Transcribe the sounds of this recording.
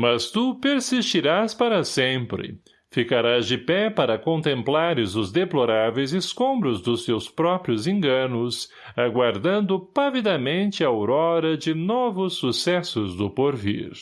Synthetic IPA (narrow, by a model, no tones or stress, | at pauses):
mɐst̪upeɾsist͡ʃiɾaspaɾɐsẽmpɾɪ̰ | fikaɾazd͡ʒɪpɛpaɾɐkõnt̪ẽmplaɾɪzʊzd̪eploɾavejzɪskõmbɾʊzd̪ʊst̪ewspɾɔpɾiʊzẽŋɡɐ̃nʊs | aɡwaɾd̪ɐ̃nd̪ʊpavid̪ɐmẽnt͡ʃɪɐowɾɔɾɐd͡ʒɪnɔvʊsːusɛsʊzd̪ʊpoɾvḭɾ